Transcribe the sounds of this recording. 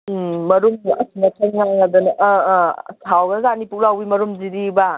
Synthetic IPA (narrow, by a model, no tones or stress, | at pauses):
mɐɾumɐ̰sinɐtʰɐŋŋaŋɐd̪unɐʔ | tʰawɡɐzanipuk̚ɾawbimɐɾumziɾiba